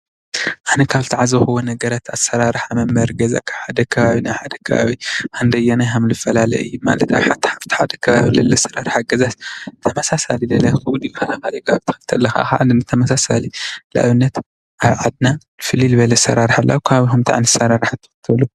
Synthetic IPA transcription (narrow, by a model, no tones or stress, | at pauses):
ʔanɐkʰaβt̪ʰiʕazɐxɨwonɐɡɐɾat̪asɐɾaɾħamɐmbɐɾɡɐza̰kʰaβħad̪ɐkʰɐβaβinaħad̪ɐkʰɐ̰βa̰βihand̪ɐjɐnajɦamlɨfːɐlalɐ̰ɨ̰jːuma̰lɐt̪aβħat̪ʰi̥ħaft̪ʰi̥ħad̪ɐkʰɐβaβilɐlːɐsɐɾaɾħaɡɐzast̪ʰɐmɐsasalilɐlɐxɨwʊd̪jifɐlaxaljkʰaaβt̪ʰɨ̥xɨlt̪ʰɐlːɐxa̰xa̰ʔlɨnat̪ʰɐmɐsasalila̰ʔβɨnːɐt̪ | ʔaβʕad̪̚nanɨfɨlilɨβɐlɐsɐ̰ɾaɾħalːʔa̰wukʰɐβaβihumt̪ʰa̰ʕnɨsɐɾaɾħat̪ʰɨ̥fɨt̪ʰɐlu